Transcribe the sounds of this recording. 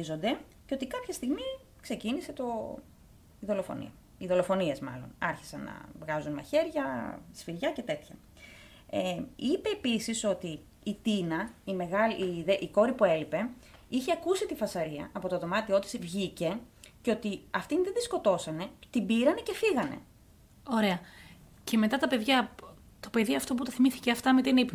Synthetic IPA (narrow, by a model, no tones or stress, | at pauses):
izo̞nd̪e̞ | ceo̞t̪ikɐpçɐst̪iɣmi | kse̞cinise̞t̪o̞ | iðolo̞fo̞̰nḭɐ | iðo̞lo̞fo̞nie̞zmɐ̰lo̞̰nɐɾçi̥sɐnːɐ̰vɣɐzunmɐ̰çe̞ɾʝɐsfilʝɐce̞t̪e̞t̪çɐ | eipe̞ːpisiso̞t̪iː | t̪inɐime̞ɣɐliðeʔiko̞ɾipue̞lipe̞içeɐkusit̪ifɐsɐɾiɐ̰ɐpo̞t̪o̞ðo̞mɐt̪io̞t̪i̥sivʝice̞ceo̞t̪iɐft̪inðenðisko̞t̪o̞sɐne̞t̪ibiɾɐne̞ce̞fiɣɐne̞̰ | o̞ɾe̞ɐ | ce̞me̞t̪ɐt̪ɐpe̞ðʝɐ | t̪ope̞ðiɐft̪o̞p̬ut̪ɐθimiθi̥ceɐft̪ɐmet̪inip